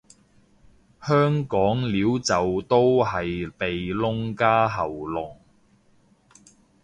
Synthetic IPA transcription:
hœː˥ŋkɔː˨˥ŋliː˨˥wt͡sɐ˨wt̪o˥wɦɐ˨jpe˨jlʊ˥ŋkaː˥ɦɐ˨˩wlʊ˨˩ŋ

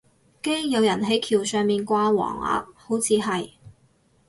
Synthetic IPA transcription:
ke˥jjɐ˨˧wjɐ˨˩nɦɐ˨˥jkʰiː˨˩wsœː˨ŋmiː˨nkʷaː˧wɔ̰ː˨˩ŋa̰ː˧˥p̚ho˨˥wt͡sʰiː˨˧ɦɐ˨j

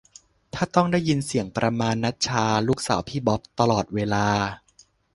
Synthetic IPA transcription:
t̪ʰaː˥˩t̪ɔ˥˩ŋda˥˩jːi˧nsi˨˩˦əŋpɾʔa˧maː˧nːa˦˥t̪̚t͡ɕʰaː˧luː˥˩k̚sa̰ː˩˦wpʰiː˥˩bɔ˦˥p̚t̪a˧lɔː˨˩t̪̚weː˧laː˧

